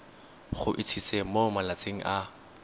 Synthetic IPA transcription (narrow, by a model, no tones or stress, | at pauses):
χʊ̰ʔɪt͡sʰisemomalat͡sʼeŋ̩ʔa